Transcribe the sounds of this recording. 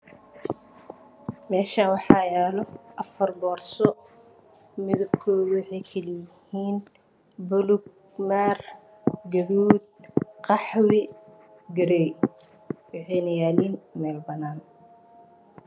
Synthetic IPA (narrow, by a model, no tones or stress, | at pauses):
mɛːʃaːnwɑħɑːjɛːlɔʔɐfɐrbɔːrsɔ | mɪðʊbkʰɔːwɑħɛjkʰɐlɪjɪhiːn | bʊlʊɡ | mar | ɡɐɾuːd̪̚qɑħwɪ | ɡɐɾɛj | wɑħɛjnɐjaːliːnmɛːlbɐnaːn